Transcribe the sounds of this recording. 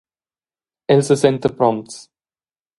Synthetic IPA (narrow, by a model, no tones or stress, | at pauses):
ɛlsəsɛnt̪əpɾɔmt̪s